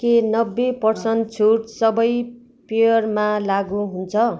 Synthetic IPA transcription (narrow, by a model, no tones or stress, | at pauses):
kenʌbːepʌrsʌnt͡sʰuʈsʌbʌj | pejʌrmalaɡuɦunt͡sʰʌ